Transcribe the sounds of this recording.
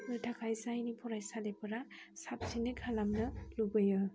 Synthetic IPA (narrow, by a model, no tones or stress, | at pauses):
nɯtʰakʰajzajnipʰɔɾajsalepɯɾasap̚sinɯkʰalamnɯlubɯjɯ